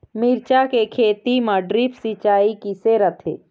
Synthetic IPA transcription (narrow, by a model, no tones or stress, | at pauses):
miɾt͡ʃakekʰeːt̪iməɖɾipsit͡ʃaːikiseɾət̪ʰeː